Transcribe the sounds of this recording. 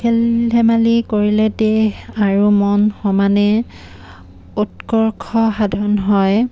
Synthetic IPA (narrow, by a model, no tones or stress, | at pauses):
kʰɛlɦɛmalikoɹilɛdeaɹumɔnxɔmanɛ | utkɔɹkʰɔxadʱɔnɦɔj